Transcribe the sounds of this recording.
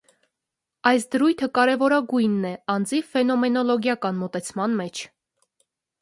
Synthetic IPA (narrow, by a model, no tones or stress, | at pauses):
ɑjs̬d̪əɾujt̪ʰəkɑɾɛvɔɾɑɡujnːɛɑnd͡zifɛnɔmɛnɔlɔɡjɑkɑnmɔt̪ɛt͡sʰmɑnmɛt͡ʃʰ